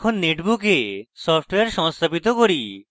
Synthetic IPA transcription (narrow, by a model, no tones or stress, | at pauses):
kʰonːeʈbukesɔfʰʈweaɾʃɔŋst̪ʰapit̪okoɾi